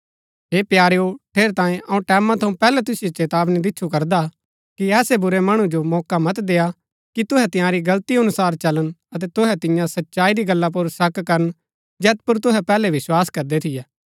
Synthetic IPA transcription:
ɦeːpjaːɾeoʈʰeːɾt̪ãːẽʔɐũʈɛːmãt̪ʰɐũpɛːlɛt̪ʊsɪjet͡ʃeːt̪aːbnid̪ɪtːt͡ʃʰʃʰukɐɾd̪a | kiɛːsebʊɾemɐɽ̃ũd͡ʒomɔːkamɐt̪d̪eːa | kit̪ʊɦɛt̪ɪ̃jãɾiɡɐlt̪iɐnʊsaːɾt͡ʃɐlənɐt̪̬ɛt̪ʊɦɛt̪ɪ̃jãsɐtːʃaːid̪iɡɐlːap̬ʊɾsɐkkɐɾən | d͡ʒɛːt̪̚pʊɾt̪ʊɦɛpɛːlɛʋɪswaːskɐɾd̪et̪ʰɪjɛː

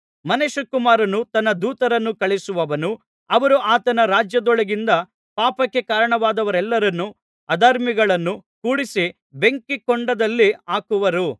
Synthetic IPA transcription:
mɐneʃɐkumaːɾɐnut̪ɐnːɐd̪uːt̪ɐɾɐnːukɐɭisuʋɐʋɐnu | ɐʋɐɾuʔaːt̪ɐnɐɾaːd͡ʒjɐd̪ɔɭɐɡind̪ɐ | paːpɐkːe̞kaːɾɐɳɐʋaːd̪ɐʋɐɾɛlːɐɾɐnːu | ɐd̪aːɾmiɡɐɭɐnːukuːɽisi | be̞ŋkikɔɳɖɐd̪ɐlːiaːkuʋɐɾu

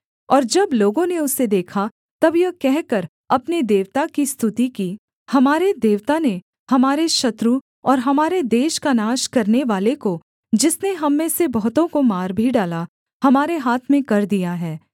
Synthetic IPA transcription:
ɔːɾd͡ʒɐbloːɡõneʊsed̪eːkʰa | t̪ɐbjɐkɛɦkɐɾ | ɐpned̪eːʋt̪akist̪ʰʊt̪iki | hɐmaːɾed̪eːʋt̪ane | hɐmaːɾeʃɐt̪ɾu | ɔːɾɦɐmaːɾed̪eːʃkanaːʃkɐɾneʋaːleko | d͡ʒɪsneɦɐmːẽsebɐɦʊt̪õkomaːɾbʱiɖaːla | hɐmaːɾeɦaːt̪ʰmẽkɐɾd̪ijaɦɛː

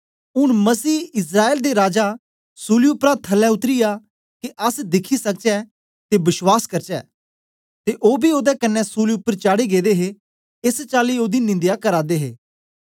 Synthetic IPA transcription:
ʊɽ̃məsiːɪs̬ɾaːeːld̪eɾaːd͡ʒa | suːliʊpɾat̪ʰəlɛʊt̪ɾɪja | kiʔɐsd̪ɪkʰisək̚t͡ʃɛ | t̪ebɪʃwaːskɐɾt͡ʃɛː | t̪eːʔoːbʱioːd̪ɛkɐnːɛsuːliʊpːəɾt͡ʃaːɽiɡeːd̪eːɦe | ɪst͡ʃaːlioːd̪inɪ̃nd̪ɪjakəɾaːd̪eːɦeː

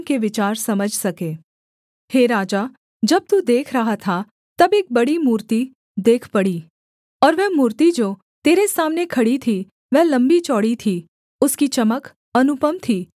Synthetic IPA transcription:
keʋɪt͡ʃaːɾsɐməd͡ʒʱsɐkeː | heːɾaːd͡ʒaː | d͡ʒɐb̚t̪ud̪eːkʰɾɐɦat̪ʰa | t̪ɐbeːk̚bɐɽimuːɾt̪i | d̪eːkʰpɐɽiː | ɔːɾʋɛɦmuːɾt̪id͡ʒoː | t̪eːɾesaːmnekʰɐɽit̪ʰi | ʋɛɦlɐ̃mbit͡ʃɔːɽit̪ʰi | ʊskit͡ʃɐmək | ɐnʊpəmt̪ʰiː

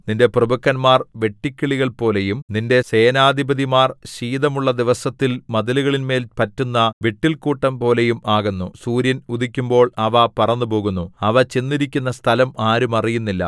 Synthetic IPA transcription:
ninde̞prɐbɐkːɐnmaːrʋe̞ʈːikʲːiɭiɣɐɭpo̞ːle̞jumninde̞se̞ːnaːd̪ʱibɐd̪imaːrɕiːd̪ɐmuɭːɐd̪iʋɐsɐt̪ːilmɐðɐluɣɐɭinme̞ːlpɐtːunːɐʋeʈːilkuːʈːɐmpo̞ːle̞jumaːɣunːusuːɾjɐnuðikʲːumbo̞ːɭɐʋɐpɐrɐnːɨpo̞ːɣunːuɐʋɐt͡ɕe̞nːiɾikʲːunːɐst̪ʰɐlɐmaːɾumɐrijunːilːɐ̰

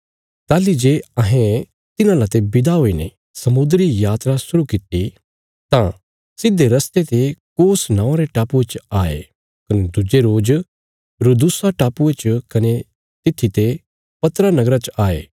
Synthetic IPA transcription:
t̪aːlid͡ʒeːɐɦẽ | t̪ɪnãlat̪ebɪd̪aɦoːinḛ | sɐmʊd̪ɾijaːt̪ɾasʊɾukɪt̪i | t̪ã | sɪd̪ːeɾɐst̪et̪ekoːsnãːɾeʈaːpuet͡ʃaːḛ | kɐned̪ʊd͡ʒeɾoːd͡ʒ | ɾud̪ʊsaʈaːpuet͡ʃkɐne | t̪ɪt̪ʰːit̪e | pɐt̪ɾanɐɡɾat͡ʃʔaːḛː

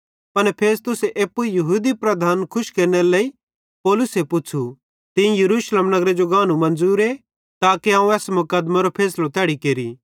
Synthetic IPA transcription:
pɐnpʰeːst̪ʊseʔeːpːujɐɦuːd̪ipɾɐd̪ʱaːnkʰʊʃkeːɾneleːi | pɔːlʊsepʊt͡ʃʰu | t̪ɪ̃ĩjɐɾuːʃleːmnɐɡɾed͡ʒoɡaːnũmɐ̃nd͡zuːɾe | t̪aːkiãːũɛːsmʊkəd̪maɾopʰeːslot̪ɛːɽikeːɾi

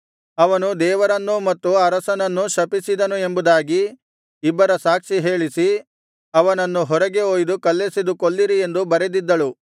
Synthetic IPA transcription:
ɐʋɐnud̪ɛːʋɐɾɐnːumɐt̪ːuɐɾɐsɐnɐnːuʃɐpisid̪ɐnue̞mbud̪aːɡiː | bːɐɾɐsaːkʂiɦe̞ːɭisi | ɐʋɐnɐnːuɦɔɾɐɡe̞oːjd̪ukɐlːesid̪ukolːiɾie̞nd̪ubɐɾed̪id̪ːɐɭu

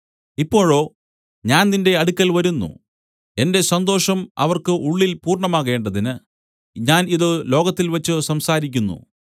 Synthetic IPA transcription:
ipːo̞ːɻo̞ː | ɲaːnninde̞ɐɽukʲːɐlʋɐɾunːṵ | e̞nde̞sɐnd̪o̞ːʂɐmɐ̰ʋɐrkɨʔuɭːilpuːrɳɐmaːɣe̞ːɳɖɐðinɨ | ɲaːniðɨlo̞ːɣɐt̪ːilʋɐt͡ɕːɨsɐmsaːɾikʲːunːṵ

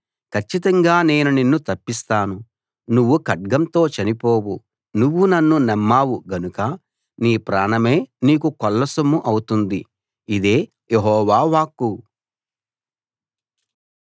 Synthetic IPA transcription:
kʰɐt͡ʃːit̪ɐŋɡaːne̞ːnuninːut̪ɐpːist̪aːnu | nuʋːukɐʈ̚ɡɐnt̪o̞ːt͡ʃɐnipo̞ːwu | nuʋːunɐnːunɛmːaːwuɡɐnukɐ | niːpɾaːnɐme̞ːniːk̬ukɔlːɐsɐmuʔɐwut̪und̪i | id̪e̞ː | jeɦɔːʋaːʋaːkːu

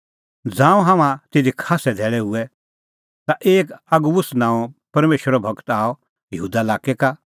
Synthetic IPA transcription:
d͡zãːũɦãmãt̪ɪd̪ikʰaːsɛd̪ʱɛːɭɛɦʊɛ | t̪aʔeːkɐɡubʊsnãːɔ̃pɐɾmeːʃəɾɔbʱɐkt̪aːɔ | jəɦuːd̪alaːkɛka

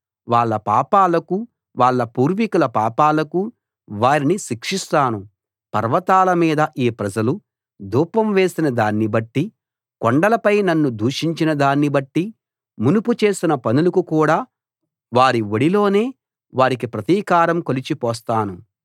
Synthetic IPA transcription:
ʋaːɭːɐpaːpaːlɐku | ʋaːɭːɐpuːɾʋikulɐpaːpaːlɐku | ʋaːɾiniʃikʂist̪aːnu | pɐ̰ɾʋɐt̪aːlɐmiːd̪ɐʔiːpɾɐd͡ʒɐlu | d̪uːpɐmʋe̞ːsinɐd̪aːnːibɐʈːi | koɳɖɐlɐpɐjnɐnːud̪uːʂiɲt͡ʃinɐd̪aːnːibɐʈːi | munuput͡ʃe̞ːsinɐpɐnulɐkukuːɽaː | ʋaːɾiʋoɽilo̞ːne̞ː | ʋaːɾik̬ipɾɐt̪iːkaːɾɐmkolit͡ʃipɔːst̪aːnu

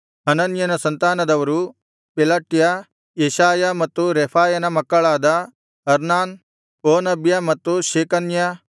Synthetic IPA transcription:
ɐnɐnjɐnɐsɐnt̪aːnɐd̪ɐʋɐɾu | pilaːʈjɐ | jeʃaːjɐmɐt̪ːuɾeːpʰaːjɐnɐmɐkːɐɭaːd̪ɐ | ɐɾnaːn | oːnɐbjɐmɐt̪ːuʃeːkɐnjɐ

